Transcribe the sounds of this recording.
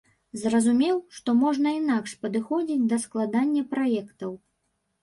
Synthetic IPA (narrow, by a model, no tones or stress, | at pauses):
zrɐzumʲɛwʂt̪ɔmɔʐnɐinakʂpɐd̪ɨxɔd͡zʲid͡zʲd̪ɐsklˠad̪anʲːɐpɾajɛkt̪ɐw